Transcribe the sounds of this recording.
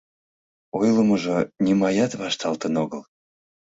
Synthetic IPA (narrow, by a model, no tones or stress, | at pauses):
ojlˠəmoʒonʲimɑjɑt̪βɑʃt̪ɑlt̪ənoɣəlˠ